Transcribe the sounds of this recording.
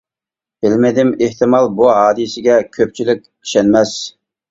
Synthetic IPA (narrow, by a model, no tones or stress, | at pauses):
b̥ɪlmɪd̪ɪmeht̪ɪmɑlˠbuɦɑːd̪ɨsɪɡʲɛkʲʰøp̚t͡ʃʰilɪk̚ʲ | i̥ʃɛnmɛs